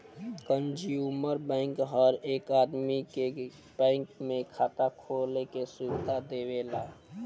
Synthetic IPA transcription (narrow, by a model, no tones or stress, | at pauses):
kənd͡ʒjuməɾbɛ̃ŋkɦəɾeːkaːd̪mike | b̥ɛ̃ɪŋkmẽkʰaːt̪akʰolekesʊɪd̪ʱad̪ewela